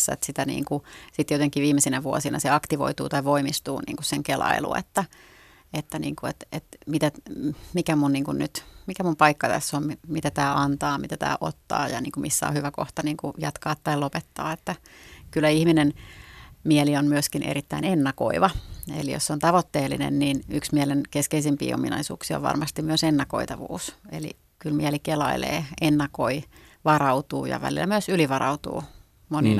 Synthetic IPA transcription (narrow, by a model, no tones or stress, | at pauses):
sːæ̰et̪sit̪ænḭːŋkusit̪jot̪eŋkːiʋiːmesinæʋuosinɑ̰seɑkt̪iʋo̰it̪uːt̪ɑiʋoimist̪ṵːnḭːŋkusseŋkelɑ̰ilṵḛt̪ːæ | et̪ːænḭːŋkuet̪et̪mit̪æmikæmunniːŋkunnyt̪mikæmumpɑikːɑt̪æ̰sːommimit̪æt̪æːʔɑnt̪ɑːmit̪æt̪æ̰ːʔo̰t̪ːɑ̰ːjɑ̰nḭːŋkumisːæ̰o̰hyʋæko̰ht̪ɑniːŋkujɑt̪kɑːt̪ːɑilopet̪ːɑ̰ːet̪ːækylːæihminen | mielionmyøskinʔḛɾit̪ːæinenːɑko̰iʋɑḛlḭjo̰sseont̪ɑʋot̪ːeːlːḭnḛnniːnyksmiɛlenkeskeisimpḭːo̰minɑ̰isṵːksio̰ʋʋɑ̰rmɑst̪immyøsenːɑkoit̪ɑʋṵːselḭ | kylmiɛlikelɑilḛːenːɑkoiʋɑrɑut̪uːjɑ̰ʋæ̰lḭlːæmyøsyliʋɑrɑut̪ṵː | monḭn